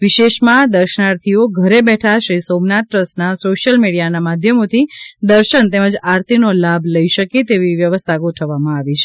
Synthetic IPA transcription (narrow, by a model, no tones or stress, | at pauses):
ʋɪʃeʃmãd̪əɾʃənaɾt̪ʰioɡʱəɾebɛʈʰaʃɾisomnat̪̚ːɾəsnasoʃjəlmiɽijanamad̪ʱjəmot̪ʰid̪əɾʃənt̪eməd͡ʒaɾt̪ʰinolabʱləiʃəket̪eʋiʋjəʋəst̪ʰaɡoʈʰəʋːamãaʋit͡ʃʰe̥